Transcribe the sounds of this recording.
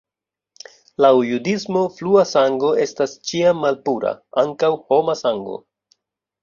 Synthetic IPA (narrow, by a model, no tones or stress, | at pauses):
laujudismo̞fluasaŋɡo̞e̞stast͡ʃiamːalpuɾa̰aŋkawho̞masaŋɡo̞̰